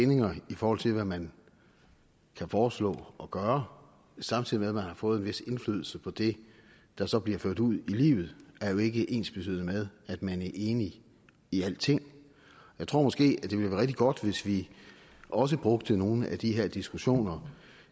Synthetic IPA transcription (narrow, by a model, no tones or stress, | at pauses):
ene̝ŋɐifɒːhɒ̽l̰t͡sʰe̝lʋæmæn | kʰæfɒːslɔ̰̽ːɒ̽ɡ̥ɶːɐ | sɑ̈mt͡sʰið̰ˠimeðˠmænhɑ̈fɔ̽ːð̩ˠenʋe̝se̝nfly̰ːðˠl̩səpʰɒ̽d̥e̝ | d̥ɑ̈sɒ̽b̥liɐføɐ̰d̥uð̰ˠilḭːʊð̞̩ˠæɐjo̝e̝ɡ̥əʔe̝̰ːnsb̥e̥t͡sʰy̰ð̰ˠmeð̞ˠæd̥mænæɐʔe̝ːni | iæl̰t͡sʰe̝ŋ̰ | jaɪt͡sʰo̝̰ɐ̰mɒ̽sɡ̥e̝̰ːæd̥e̝ʋe̝lʋæːɐʁɛɡ̥̚d̥iɡ̥ɒ̽d̥ʋe̝sʋi | ʔɒ̽s̬əb̥ʁɔɡ̥̚d̥əno̝ːn̩æd̥iɦe̝ɐ̰d̥isɡ̥uɕo̝̰ːnɐ